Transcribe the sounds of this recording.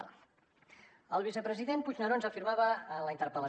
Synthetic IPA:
l | əlˠβ̞isəpɾəziðenpud͡ʒnəɾonzəfiɾmaβəːnləint̪əɾpələ

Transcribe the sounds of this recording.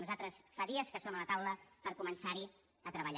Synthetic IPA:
nuzat̪ɾəsfaðiəskəsomələt̪awləpəɾkumənsaɾi | ət̪ɾəβəʎ

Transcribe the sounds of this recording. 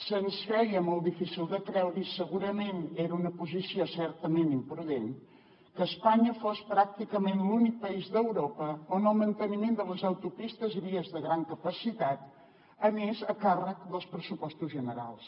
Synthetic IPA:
sənskɾɛjəmɔlˠd̪ifisilˠd̪əkɾɛwɾisəɣuɾəmeneɾəunəpuzisiosɛɾt̪əmenimpɾuðen | kəːspaɲəfospɾak̚t̪ikəmẽnlunik̚pəizðəwɾopəonəlˠmənt̪ənimẽnd̪ələzəwt̪upist̪əzβiəzðəɣɾaŋkəpəsit̪at̪ | əmezəkarək̚d̪əlˠspɾəsupɔst̪uzʒənəɾa̰lˠs

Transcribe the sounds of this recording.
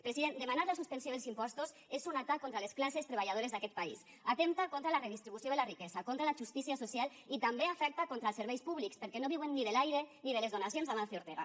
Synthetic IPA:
pɾesiðend̪emanaɾlasuspensjoðelˠsimpɔst̪us | ezunat̪akːont̪ɾalesklasest̪ɾeβ̞aʎað̞oɾezðakɛt̪̚paḭs | at̪emt̪akont̪ɾalareðist̪ɾiβusjoelarikɛzakont̪ɾalaʒust̪isiasosjal | it̪ambeafɛk̚t̪akont̪ɾaəlˠseɾβɛjspuβlikspeɾkɛnoβ̞iwenːiðelajɾeniðelezðonasjonzðamanθeoɾt̪eɣa̰

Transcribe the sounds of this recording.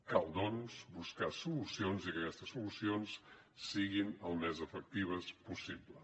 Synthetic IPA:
kalˠd̪ɔnuzbuskasulusionzikəkɛst̪əsulusionsː | iɣinəlˠmɛzəfək̚t̪iβ̞əspusiblə

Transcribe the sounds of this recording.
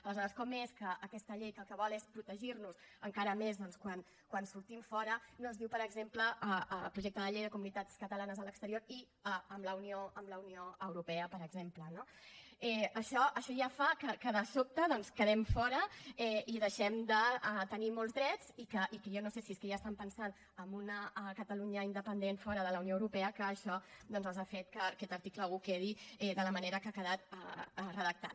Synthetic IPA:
ələzɔɾəskɔmeskəʔəkɛst̪əʎejkəlˠkəβ̞ɔlˠespɾut̪əʒiɾnuzəŋkaɾəmezðɔnskwan | kwansuɾt̪iɱfɔɾənonzðiwpəɾəɡzempləəəpɾuʒek̚t̪əðəʎejðəkumunit̪at͡skət̪əlanəzələkst̪əɾioɾi | əəmləunioʔəmləunioəwɾupɛəpəɾəɡzemplənoɛəʃɔʔəʃɔjafakəkəðəsop̚t̪əðɔnskəðɛmfɔɾəɛiðəʃɛmd̪ət̪ənimolˠzðɾɛd͡zikəʔikəjɔnosesieskəʒast̪ampənsan | əmbunəkət̪əluɲəind̪əpənd̪enfɔɾəðələwnioəwɾupɛəkəːʃɔd̪ɔnzəlˠzafet̪kəkɛt̪əɾt̪ikləukeðiɛðələməneɾəkakəðat̪ərəðək̚t̪a̰t̪

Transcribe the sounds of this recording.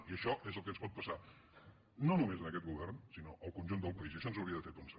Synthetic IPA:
iəʃɔʔezəlˠkənspɔt̪̚pəsa | nonumezənəkɛt̪̚ɣuβɛrnsinoʔəlˠkunʒund̪əlˠpəiziəʃɔnzəwɾiəðəfeɾpənsə

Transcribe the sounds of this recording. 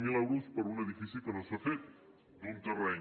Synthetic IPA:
milɛwɾuspəɾunəðifisikənosafet̪̚ | d̪unt̪ərɛ

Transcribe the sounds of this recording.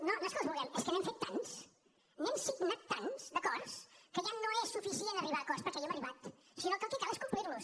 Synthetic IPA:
nonəskɔzβulˠɛmeskənemfet̪ːans | niemsiɡnat̪ːansd̪əkɔɾskəʒanoesːufisienəriβakɔspəɾkɛjoməriβat̪ | sinokəkikalˠeskumpliɾlus

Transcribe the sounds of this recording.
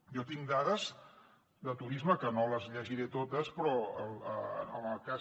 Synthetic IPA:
jɔt̪iŋd̪aðəz | d̪ət̪uɾizməkənoləzʎəʒiɾet̪ot̪əspɾɔələəməlˠka

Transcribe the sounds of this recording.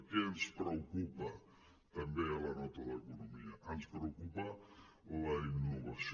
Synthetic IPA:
keanspɾeokupa | t̪ambealanɔt̪alaekonomiaʔanspɾeokupa | olainːoβas

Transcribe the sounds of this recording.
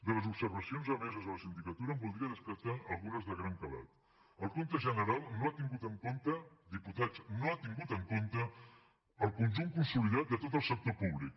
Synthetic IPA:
d̪ələzubsəɾβəsionzəβɛzəzələsind̪ikət̪uɾəmbulˠd̪ɾiəðəskəɾt̪aəlˠɣunəzðəɣɾaŋkəla̰t̪̚ | əlˠkont̪əʒənəɾalˠnoat̪iŋɡut̪əŋkont̪əðiput̪at͡snoat̪iŋɡut̪əŋkont̪ə | əlˠkunʒumkunsuliðat̪̚d̪ət̪ot̪əlˠsək̚t̪opuβlik̚

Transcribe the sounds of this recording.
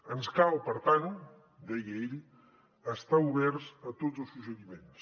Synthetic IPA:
ənskalˠpəɾt̪anu | d̪ejɣejɾi | əst̪auβɛɾzət̪ozəlˠsuzəðimens

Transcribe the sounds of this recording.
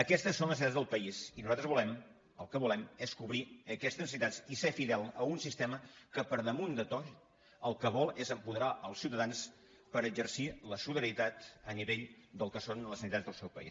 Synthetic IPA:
əkɛst̪əsːonləs̬it̪ad͡zzðəlˠpəizinuzat̪ɾəzβulɛm | əlˠkəβulɛmɛskuβɾiəkɛst̪əznsit̪at͡ssisefiðɛlˠəunsist̪ɛməkəpəɾðəmund̪ət̪ɔʃ | əlˠkəβɔlˠezəmpuðəɾaʔəlˠsiwt̪əðans | pəɾəd͡ʒəɾsiləsuðəɾit̪at̪əniβeʎd̪əlˠkəsonləsənit̪azðəlˠsɛwpə̰ḭs

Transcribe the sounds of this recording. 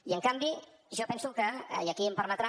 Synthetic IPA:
jaŋkambi | ʒopɛnsuka̰jakimparmat̪ɾa

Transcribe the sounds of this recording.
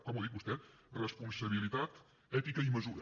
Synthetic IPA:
kɔmuðik̚bust̪ɛt̪ | rəspunsəβilit̪at̪ | ɛt̪ikəiməzu

